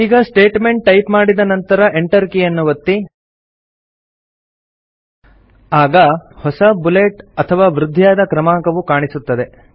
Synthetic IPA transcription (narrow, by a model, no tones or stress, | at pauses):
iːɡɐsʈe̞ːʈme̞ɳʈ̚ːɐjpmaːɽid̪ɐnɐnt̪ɐɾɐʔeɳʈɐɾkijɐnːuʋɐt̪ːi | aːɡɐhɔsɐbuleːʈɐt̪ʰɐʋaːʋɾud̪ʱːjaːd̪ɐkɾɐmaːŋkɐʋukaːɳisut̪ːɐd̪e